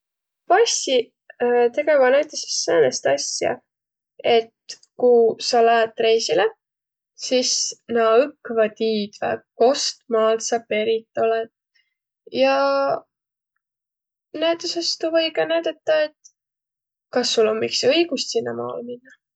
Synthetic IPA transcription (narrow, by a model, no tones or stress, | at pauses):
pɑsi | t̪e̞ɡ̥evɑnæɥt̪ˑese̥sːeːnest̪ɑsʲjɑ̰ | e̞t̪ | kusɑlæːt̪ːre̞jsile | sisnɑɯkːvɑt̪iːd̪̥væ̰ko̞st̪mɑːlt̪sɑpe̞ɾit̪ːˑo̞led̪̥ | jɑ | næt̪ːˑusest̪uvɤjɡɑnæɥd̪̥ɑt̪ːɑe̞t̪ | kɑsːulːo̞mmiksɤjɡ̥ust̪sinːɑ̰mɑ̰ːlminːɑ